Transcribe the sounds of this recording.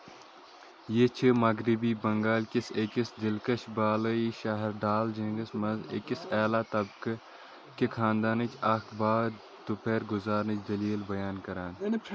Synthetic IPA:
jeːt͡ʃʰəmɐɡɾibiːbɐŋɡaːlkɪsekɪsd̪ɪlkɐʃbaːlɐiʃaːɦɪɾɖaːld͡ʒɐ̃ŋɡəsmɐzḛkɪsɛːlaːt̪ɐbk | kekʰãːnd̪aːnɨt͡ʃʰɐːkʰbaːd̪ | t̪ʊpeːɾɡʊzaːɾnɐt͡ʃʰd̪ɐliːlbɐjaːnkɐɾaːn

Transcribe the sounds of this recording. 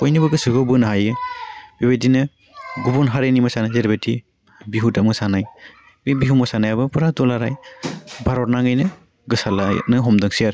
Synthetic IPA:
pojnibɯɡɯsɯɡobɯnaɦajɯbibedinɯ | ɡubunɦaɾenimasanazeɾbeti | biɦutamŋsanaj | bbiɦuŋmasanajabɯpuɾatɔlaɾajbʱaɾɔtnaŋajnɯ | ɡɯsala̰nɯɦɔmdɯŋsijaɾ

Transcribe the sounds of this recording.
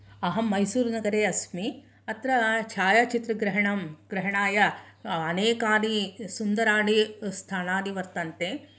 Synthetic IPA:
ɐɦɐmːɐjsuːɾnɐɡɐɾeːɐsmi | ɐt̪ɾɐt͡ʃʰaːjat͡ʃit̪ɾɐɡɾɐɦɐɳɐmɡ̥ɾɐɦɐɳaːjɐɐneːkaːɽisund̪ɐɾaːɽist̪ʰaːnaːd̪iʋɐɾt̪ɐnt̪eː

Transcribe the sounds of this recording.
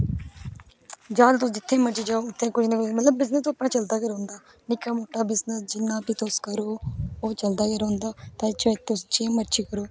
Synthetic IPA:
d͡ʒaːd̪t̪ʊsd͡ʒɪt̪ʰːẽːməɾt͡ʃiːd͡ʒaːoːʊt̪ʰːẽːkʊt͡ʃʰnẽːkʊmət̪ləbːɪznəst̪oːəpnãːt͡ʃəld̪aːkeɾõːnd̪aː | nɪkːaːmoːʈːaːbɪznəsd͡ʒɪnːãːpiːt̪ʊskəɾoːoːt͡ʃəld̪aːkeɾõːnd̪aːt̪ãːt͡ʃət̪ʊst͡ʃẽːməɾt͡ʃiːkəɾoː

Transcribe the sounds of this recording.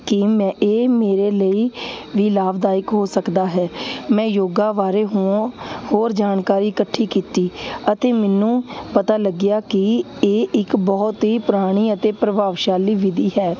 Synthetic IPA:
kimɛ̃ːʔeːmeːɾeːləiːʋiːlaːbd̪aːjɪkɦoːsəkd̪aːɦɛːmɛ̃ːjoːɡaːʋaːɾeːɦõːhoːɾd͡ʒaːnkaːɾiːkəʈʰːiːkiːt̪iːət̪eːmɛnũːpət̪aːləɡɪjaːkɪeːʔɪkbɔːt̪ɦiːpʊɾaːɽ̃iːət̪eːpɾəbaːʋʃaːliːʋɪd̪iːɦɛː

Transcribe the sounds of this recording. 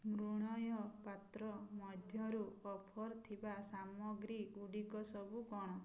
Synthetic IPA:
mɾuɽ̃ɔjɔpat̪ɾɔmɔd̪ʱjɔɾuɔpʰɔɾt̪ʰibasamɔɡɾiɡuɽikɔsɔbuɡɔɽ̃ɔ

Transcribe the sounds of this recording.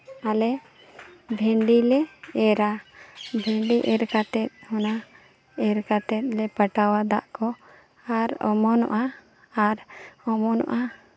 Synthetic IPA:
alɛ | bʱɛɳɖilɛɛɾabʱɛɳɖiʔɛɾkat̪ɛt̪̚hɔna | ɛɾkat̪ɛt̪̚lɛpəʈawad̪aʔkɔ | aɾɔ̰mɔnɔ̰ʔa | aɾɔmɔnɔ̰ʔa

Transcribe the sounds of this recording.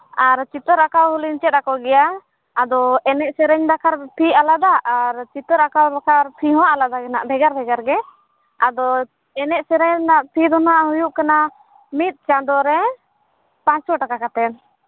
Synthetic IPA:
aɾt͡ʃit̪ɔɾakawɦuliɲt͡ʃɛt̪̚ɾakɔʔɡɛjaː | d̪ɔɛnɛʔsɛɾɛɲd̪akʰaɾpʰialad̪aʔːɾt͡ʃit̪ɔɾakawɾakʰaɾpʰiɦɔ̃ʔalad̪aɡɛna̰ʔbʱɛɡaɾbʱɛɡaɾɡɛ | ad̪ɔ | ɛnɛʔ̚sɛɾɛɲnaʔpʰid̪ɔnaʔhujuʔkana | mit̪̚ˀt͡ʃãd̪ɔɾɛ | pãɲt͡ʃsɔʈakakat̪ɛn

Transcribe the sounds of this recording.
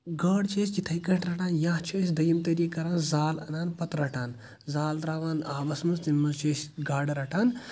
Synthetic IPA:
ɡɐɽt͡ʃʰɐst͡ʃit̪ʰɐjkɐʈʰɾɐʈʰaːnjãːɦt͡ʃʰɐsʲd̪ɐjɐmt̪ɐɾikːɐɾaːnzaːlɐnaːnpɐt̪ɾɐʈʰaːn | zaːld̪ɾaːʋaːnaːʋɐsmɐst̪imɐzt͡ʃʰɐːsʲɡaːɖɾɐʈʰaːn

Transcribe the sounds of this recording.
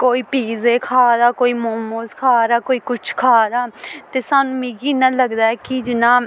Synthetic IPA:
koːiːpiːzeːkʰaːd̪aːkoːiːmoːmoːskʰaːɾaːkoːiːkʊt͡ʃʰkʰaːd̪aːt̪eːsaːnũːmĩːɡiːnãːləɡd̪aːɛːkɪd͡ʒɪnãː

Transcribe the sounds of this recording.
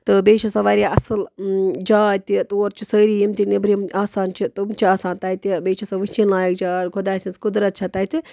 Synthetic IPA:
t̪ɨbeːt͡ʃʰɐsɐ̃ʋaːɾʲaʔɐsɨld͡ʒaːt̪it̪oːɾt͡ʃʰisəːɾijimt̪iknibɾimaːsaːnt͡ʃʰit̪umt͡ʃʰiaːsaːnt̪aːjt̪ibeːt͡ʃʰɐsaʋɨt͡ʃinlaːjɐk̚d͡ʒaːɾkʰod̪aːsʲinskud̪ɾɐt̪̚t͡ʃʰɐt̪aːt̪i

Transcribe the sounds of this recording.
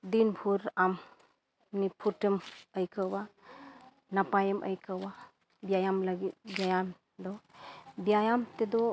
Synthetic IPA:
d̪inbʱuɾam | nipʰutɯməjkʰɯwba | napajɯmʔə̰jkʰɯwa | bijajamlaɡibijajam | d̪ɔbijajamt̪edɔ

